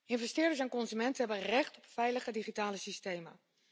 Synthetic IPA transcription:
ɪnvɛstɪːdəs̬ɛnkɔnzymɛntəɦɛbənrɛχtɔpfɛjləχədiχitaːləsistejmə̰

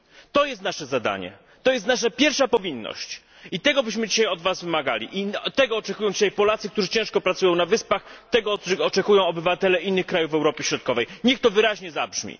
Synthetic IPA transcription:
t̪ɔjɛst̪naʂɛzad̪a̰ɲɛ̰ | t̪ɔjɛst̪naʂɛpʲjɛɾfʂapɔvʲinːɔ̰ɕt͡ɕ | it̪ɛɡɔbɘɕmɘd͡ʑiɕajɔd̪vasvɘmaɡa̰lʲḭʔit̪ɛɡɔːt͡ʂɛkujɔw̃ɲd͡ʑiɕajpɔlat̪sɘk̚t̪uʐɘt͡ɕɛ̃w̃ʂkɔpɾat̪sujɔ̃w̃navɘspaxt̪ɛɡɔɔt͡ʂɛkujɔ̃w̃ɔbɘvat̪ɛlɛinːɘxkɾajuvɛwɾɔpʲjeɕɾɔt̪̚kɔvɛjɲɛxt̪ɔvɘɾaʑɲɛzabʐmʲḭ

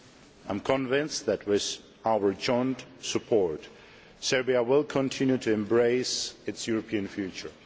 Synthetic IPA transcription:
ãɪ̃mkʰə̃nvɪ̃nsðæt̚wɪð | aʊə˞d͡ʒɔ̃ɪ̃ntsɨpʰɔɹt | sɛɹbiəwɪlˠkʰə̃ntʰɪ̃njʉtʰɨɛ̃mbɹeɪsɨtsjuɹəpʰiɨ̃nfjʉt͡ʃə˞

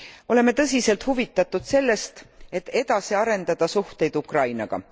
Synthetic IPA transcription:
o̞le̞me̞t̪ɤs̬ʲise̞lt̪huvit̪ːˑɑt̪ːˑud̪̥se̞lːe̞st̪e̞t̪ːe̞d̪̥ɑsiɑɾe̞nd̪ɑd̪̥ɑsuht̪e̞jd̪ukrɑjnɑɡ̥ɑ̰

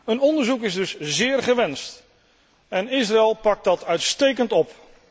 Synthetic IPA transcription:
ənɔndəɹzukɪzdɵszɪːɹχəʋɛnst | ɛnɪsraɛlˠpɑk̚t̚dɑtœɥtstejkəntɔp

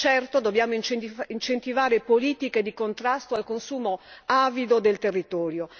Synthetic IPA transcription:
t͡ʃɛrt̪od̪objaːmoint͡ʃint͡ʃent̪ivaːɾepoliːt̪iked̪ikont̪ɾast̪oalkonsuːmoaːvid̪od̪elt̪erːit̪ɔːɾjo

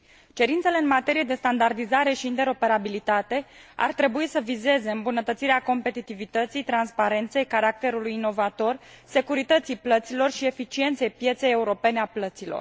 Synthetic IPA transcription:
t͡ʃe̞ɾint̪se̞le̞ɨnmat̪e̞ɾijed̪e̞st̪and̪ard̪izaɾe̞ʃiːnt̪e̞ɾo̞pe̞ɾabilit̪at̪e̞a̰rt̪ɾe̞buisəvize̞ze̞ɨmbunət̪ət̪siɾeako̞mpe̞t̪it̪ivit̪ət̪sijt̪ɾanspaɾe̞nt̪se̞jkaɾak̚t̪e̞ɾulujino̞vat̪o̞r | se̞kuɾit̪ət̪sijplət̪silo̞rʃie̞fit͡ʃie̞nt̪sejpje̞t̪se̞je̞uɾo̞pe̞neaplət̪silo̞̰r

